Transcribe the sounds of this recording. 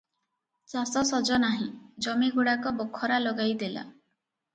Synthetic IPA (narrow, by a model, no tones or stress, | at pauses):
t͡ʃasɔsɔd͡ʒɔnaɦĩd͡ʒɔmiɡuɽakɔbɔkʰːɔɾalɔɡajd̪ela̰